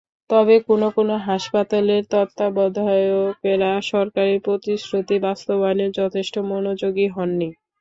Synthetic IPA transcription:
t̪ɔbekonokonoɦaʃpat̪aleɾt̪ɔt̪ːabɔd̪ʱaeokeɾaʃɔɾkaɾiɾpɾot̪iʃɾut̪ibast̪obaneɾd͡ʑɔt̪ʰeʃʈomonod͡ʑoɡiɦɔnːi

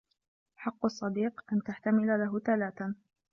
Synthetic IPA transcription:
ħɑqːɑsˤːɑd̪iːqʔant̪aħt̪amɪlalaɦʊθalaːθa

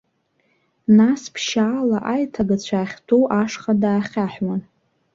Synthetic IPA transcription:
naspʰʃaːlaʔajtʰaɡat͡ɕʷʰaːχʲtʰowʔaʂχadaːχʲaħwan

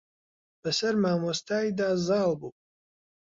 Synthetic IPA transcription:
b̥ɐsɐɾmaːmɔst̪ʰaːid̪aːzaːlbup̚ʼ

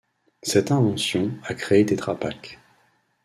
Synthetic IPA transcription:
sɛt̪ɛ̃vɑ̃sjɔ̃akχeed̪et̪χapak

